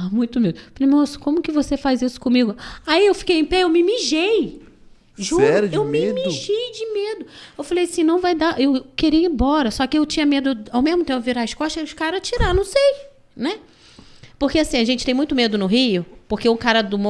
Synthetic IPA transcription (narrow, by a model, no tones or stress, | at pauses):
mũj̃t̪ʊmed̪ʊfalejmosɐ̥kõmʊkɪvosefajzisʊ̥kõmiɡʊaiewfi̥kejẽpɛewmɪmiʒej | ʒuɛɾɐd͡ʒewmɪmiʒejd͡ʒɪmed̪ʊewfalejɐsĩnɐ̃w̃vajd̪aʔewkeɾijɪ̃bɔɾɐsɔkɪewt͡ʃĩɲɐmed̪ʊawmeʒmʊt̪ẽpʊviɾaɪʃkɔʃɛʊʃkaɾɐt͡ʃiɾanɐ̃w̃sej | nɛ | poɾkeasĩɐʒẽnt͡ʃɪt̪ẽj̃mũj̃t̪ʊmed̪ʊnʊɦiʊpohkeʊkaɾɐd̪ʊmo